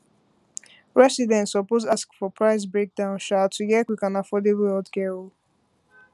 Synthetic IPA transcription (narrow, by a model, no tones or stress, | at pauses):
ɹɛsidɛ̃ntsɔpozaskfɔpʰɹaɪs̬bɹek̚dãʊ̃nʃatʰːuɡɛkwikãnafɔdebɛldkɛɹo